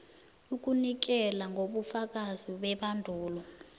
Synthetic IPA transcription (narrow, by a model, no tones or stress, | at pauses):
uk̬ʼunik̬ɛlaŋɡʱoɓufak̬ʼaziɓɛɓandʱuːlɔ